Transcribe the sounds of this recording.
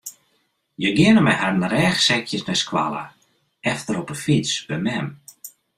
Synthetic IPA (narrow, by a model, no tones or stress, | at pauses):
jəɡɪənəmɛjharnəɾɛːxsɛkʰjəsnɛskwa̰lˠə̰ | ɛftəɾɔpəfit͡sb̥əmɛm